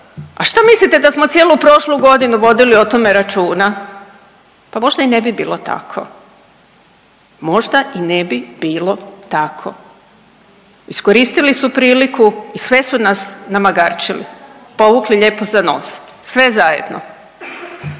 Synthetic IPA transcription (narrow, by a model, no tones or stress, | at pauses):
aʃt̪amislit̪e̞d̪asmo̞t̪sje̞ːlupɾo̞ʃluɡo̞d̪inuʋo̞d̪iliot̪o̞me̞ɾat͡ʃuːna | pamo̞ʒd̪aine̞bibiːlˠo̞t̪a̰kʰo̞̰ | mo̞ʒd̪aʔinebibiːlo̞t̪akʰo̞̰ | iskoɾiːst̪ilisupɾiːlikuisʋe̞sunasnamaɡaɾt͡ʃilḭpo̞ʋukliʎe̞ːpozano̰ːs | sʋe̞zajed̪no̰